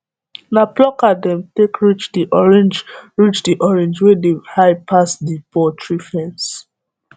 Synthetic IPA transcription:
naplɔkadɛ̃mtekɹit͡ʃdiʔɔɹɛ̃nd͡ʒɹit͡ʃdiʔɔɹɛ̃nd͡ʒwedehaɪpʰasdipɔtʰɹifɛ̃ns

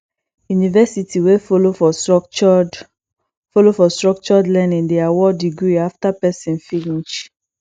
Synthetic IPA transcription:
junivɛsitʰiwefolofɔ | folofɔstɹɔk̚t͡ʃɔdlɛnĩŋdeawɔdiɡɹiaftapɛsĩnfiĩt͡ʃ

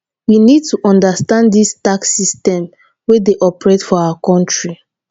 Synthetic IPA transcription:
winid̚tuʔɔ̃ndastãnddistaksistɛ̃m | wedeʔɔpɹetfɔawakɔ̃ntɹi

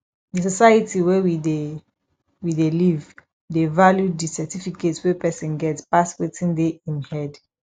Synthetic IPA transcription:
dəs̬ɔsajətʰiwɛwide | wideliv | devaljudisɛtifiketswɛpʰɛsɔ̃nɡɛtspaswetʰĩndeĩnhɛd

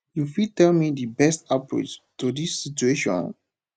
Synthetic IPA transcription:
jufitɛlmidibɛstapɹḛt͡ʃtudisːitueʃɔ̰̃n

